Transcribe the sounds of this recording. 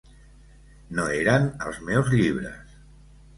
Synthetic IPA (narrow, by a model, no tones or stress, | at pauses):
noeɾənə̰lˠzmɛwzʎiβɾə̰s